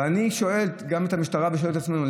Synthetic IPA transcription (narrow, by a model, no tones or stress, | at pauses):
aniʃo̞e̞ltɡame̞t̪amiʃtaʁabeʃooltat͡smenul